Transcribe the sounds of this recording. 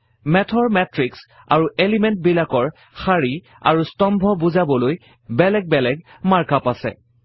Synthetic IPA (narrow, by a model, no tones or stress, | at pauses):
mɛtʰɔɹmɛtɹiks | a̰ɹuʔelimɛntbilakɔɹ | xaɹi | a̰ɹustɔmbʱɔbuzabɔloj | bɛlɛɡ̚bɛlɛɡ | maɹkapasɛ̰